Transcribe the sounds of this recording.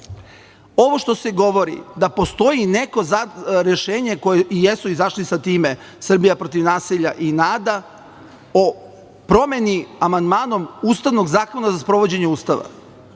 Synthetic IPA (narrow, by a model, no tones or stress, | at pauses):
o̞ʋo̞ʃt̪o̞se̞ɡo̞ʋo̞ɾḭd̪apo̞st̪o̞jine̞ko̞zaɾjeʃeːɲe̞ko̞jeijesuizaʃlisat̪iːme̞ | sr̩bijapɾot̪iʋnaːsiʎa̰ʔinaːd̪a | o | pɾo̞me̞niamand̪maːno̞muːst̪aʋno̞ɡzaːko̞nazaspɾo̞ʋo̞d͡ʑe̞ɲeuːst̪aʋa̰